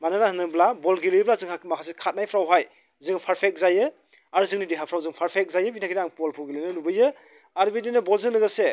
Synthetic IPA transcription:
manɯnahɯnɯblabɔlɡiliblazɯŋamakʰasekʰat̚najpʰɾawɦaj | zɯŋpʰaɾpʰek̚zajɯ | aɾzɯŋnidiɦapʰɾawzɯŋpʰaɾpʰek̚zajɯbinʰakʰidaŋpɔlpʰuɡilinɯlubɯjɯ | aɾbidinɯbɔlzɯŋnɯɡɯse

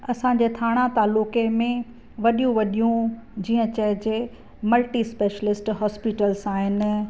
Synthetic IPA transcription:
ɐsãd͡ʑeːt̪ʰaːɽ̃ãt̪aːlʊːkemẽ | ʋɐɗijũʋɐɗijũd͡ʑiːə̃t͡ɕɐɦɪd͡ʑe | mɐlʈispeːʃəlɪsʈɦɔːspiʈəlzaːɦɪnɪ̆

